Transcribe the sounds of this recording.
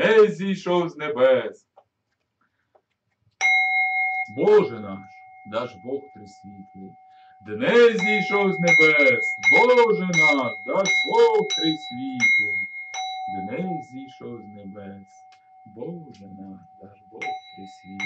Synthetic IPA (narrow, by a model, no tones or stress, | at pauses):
ɛzʲijʃɔwzʲnebɛs | bɔʒɛnɑʃ | d̪ɑʒbɔxt̪ɾɪsʲʋʲit̪ɛ | d̪nɛzʲijʃɔwzʲnebɛsbɔʒɛnɑkd̪ɑʒbɔxt̪ɾesʲʋʲit̪e | d̪nɛzʲijʃɔwzʲnɛbɛs | bɔʒɛnɑkd̪ɑʒbɔxt̪ɾesʲʋʲi